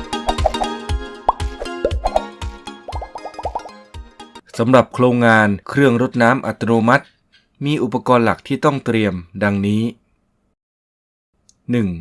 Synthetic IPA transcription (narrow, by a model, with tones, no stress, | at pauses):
sa˩˦mɾa˨˩p̚kʰɾoː˧ŋːaː˧nkʰɾɯ˥˧əŋɾo˦˥t̪̚naː˦˥mʔa̰˨˩t̪ʰːa˧noː˧ma˦˥t̪̚ | miː˧ʔu˨˩pːa˧kɔː˧nla̰˨˩k̚t̪ʰiː˥˩t̪ɔ˥˩ŋt̪ɾi˧əmda˧ŋniː˦˥ | nɯ˨˩ŋ